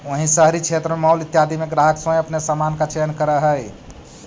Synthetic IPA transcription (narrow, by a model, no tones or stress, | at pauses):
oɦĩsəɦɾit͡ʃʰet̪ɾəmemaulit̪jad̪ʱimeɡɾaɦəksə̃jəpnesamankat͡ʃeənkəɾəɦəj